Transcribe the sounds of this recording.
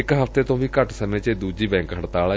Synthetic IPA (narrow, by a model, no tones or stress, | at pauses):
ɪkɦəft̪eːt̪õːʋiːkəʈsəneːt͡ʃeːd̪uːd͡ʒiːbɛ̃ːŋkɦəɽt̪aːlɛː